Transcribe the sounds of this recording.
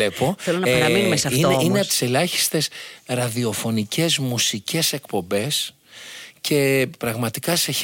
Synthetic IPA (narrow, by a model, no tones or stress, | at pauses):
epo̞θelonɐɐɐminumesɐioineɐt̪i̥selɐçi̥st̪e̞sɾɐðio̞fo̞nicʰe̞zmusice̞se̞kpo̞mbe̞s | ce̞pɾɐɣmɐt̪ikɐse̞